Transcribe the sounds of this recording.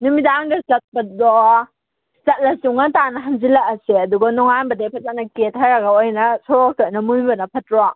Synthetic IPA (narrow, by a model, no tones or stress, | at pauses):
numidaŋdɐzɐt̚bɐdɔ | zɐt̚ɾɐsuŋɐtanɐɦɐnzilɐkɐseɐduɡɐnɔŋanbɐdepʰɐzanɐket̚ɦaɾɐɡɐojnɐsɔɾok̚tonɐmunbɐnɐpʰɐtɾa